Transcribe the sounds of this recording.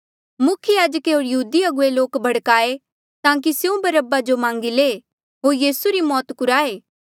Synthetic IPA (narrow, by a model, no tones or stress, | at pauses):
mʊkʰjəjaːd͡ʒəkeɦoːɾjɐɦuːd̪iɐɡʊeloːkbʱɐɽkaːe | t̪ãːk̬iseũbɐɾəbad͡ʒomãːŋɡile | ɦoːɾjiːsuɾimɔːt̪kʊɾaːeː